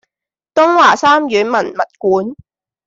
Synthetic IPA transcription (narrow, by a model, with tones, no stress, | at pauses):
t̪ʊ˥ŋwaː˨˩saː˥mjyː˨˥nmɐ˨˩nmɐ˨t̚kuː˨˦n